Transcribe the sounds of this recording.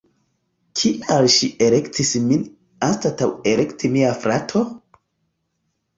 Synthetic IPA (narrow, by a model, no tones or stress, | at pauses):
kʰiʔalʃiele̞ktʰismin | astatawe̞le̞ktʰimiafɾatʰo